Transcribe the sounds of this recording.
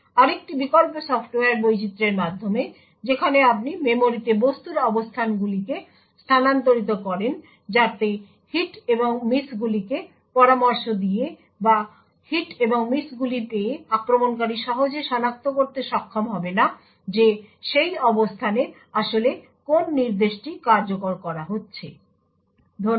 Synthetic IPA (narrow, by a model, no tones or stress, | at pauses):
aɾek̚ʈibikolposɔfʈoaɾbojt͡ɕit̪ːɾeɾmad̪ʱːome | d͡ʑekʰaneap̬̚nimemoɾit̪ebost̪uɾɔbost̪ʰanɡulike | st̪ʰanant̪oɾit̪̬okɔɾen | d͡ʑat̪e | hiʈeboŋmisɡulike | pɔɾamoɾʃod̪ije | ba | hiʈeboŋmisɡulipeeakɾomonk̬aɾiʃɔɦod͡ʑeʃɔnak̚t̪okoɾt̪eʃɔkʰːomɦɔbena | d͡ʑeʃejɔbost̪ʰane | aʃole | konːiɾd̪eʃʈikaɾd͡ʑokoɾkɔɾaɦotːɕʰe | d̪ʱo